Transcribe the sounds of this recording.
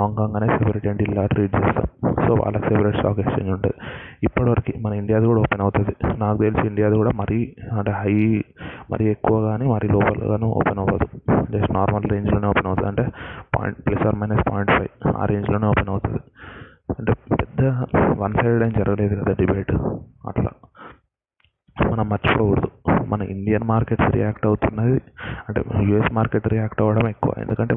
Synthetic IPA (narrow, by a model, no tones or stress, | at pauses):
ɦaːŋkaːŋɡaːneːsepɐɾeʈeːɳʈilːaːʈɾiːʈ̚t͡ʃɛːst̪a̰ːmso̰ːʋa̰ːɭːɐkisepɐɾeːʈsa̰ːkeːʈt͡ʃḛːɲd͡ʒuɳʈud̪iipːɐɽɐʋɐɾɐkimɐnɐiɳɖijaːd̪ukuːɽaoːpenɐwut̪ud̪inaːkut̪elit͡ʃiiɳɖijaːd̪ukuːɽaːmɐɾiɐɳʈeːɦɐjmɐ̰ɾijekːuʋɐːɡaːniːmɐɾiloːpɐ̰lɡa̰ːnuːo̰ːpenɐʋɐd̪ud͡ʒɐsʈnaːɾmɐlɾe̞ːɲd͡ʒlo̞ːneːoːpenɐwt̪ud̪ɐɳʈe̞ːpa̰ːjḭɳʈplɐsaːɾmɐjnɐspa̰ːjiɳʈpʰɐja̰ːɾe̞ːɲd͡ʒlo̞ːneːɔːpenɐwut̪und̪i | ɐɳʈeːpɛd̪ːɐʋɐnsɐjɽɐjnd͡ʒɐɾɐɡɐle̞ːd̪ukɐd̪aːɖibeːʈɐ̰ʈla̰ː | mɐnɐmːɐɾt͡ʃi̥pouɾd̪umɐnɐiɳɖijɐnmaːɾkeʈsɾḭjaːkʈɐwut̪unːaːjiɐɳʈḛjuːesmaːɾkeʈɾijaːkʈɐʋɐɽɐme̞kːuʋa̰ːend̪ukɐɳʈe